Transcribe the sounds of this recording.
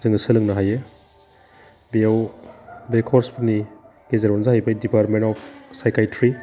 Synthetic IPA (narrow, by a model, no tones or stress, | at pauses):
zɯŋsɯlɯŋnɐɦaje | biaw | bekʰɔɾspuni | ɡ̥ezaɾɔnzahajbajdipaɾtmentɔpʰsajkajtʰɾi